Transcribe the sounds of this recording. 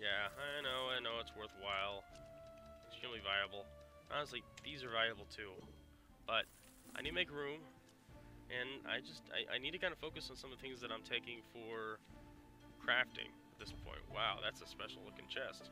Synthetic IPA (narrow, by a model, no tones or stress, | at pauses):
jæaɪ̃noʊaɪ̃noʊətswɜ˞θwaɪlˠ | stɹ̥ĩmlivaɪəbl̩ˠʔɑnəsliðizə˞valjɨbl̩ˠtʰʉ | b̥ʌɾ | ʔaɪnidɨmeɪkɹʉ̃m | ʔɨ̃na̰ɪd͡ʒʌstʰa̰ɪʔa̰ɪnid̚tʰɨkʰãɪ̃ndəfoʊkɨsn̩sʌ̃mʌvðəθɪ̃ŋzðɨɾãɪ̃mtʰeɪkɪ̃ŋfə˞ | kʰɹ̥æftɪ̰̃ŋ | ɨt̪̚ðɪspʰɔ̰̃ɪ̃nʔwaʊðætsəspɛʃl̩ˠlʊkɪ̰̃nt͡ʃʰɛst